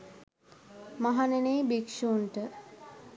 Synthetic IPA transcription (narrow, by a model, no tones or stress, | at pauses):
maɦanenejbekʂonʈə